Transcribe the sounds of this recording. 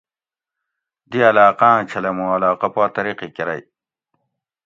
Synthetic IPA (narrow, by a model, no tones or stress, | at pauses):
d̪iɐlaːqãːt͡ɕʰɐlɐmũɐlaːqɐpaːt̪ɐɾiqikeɾɐ̰j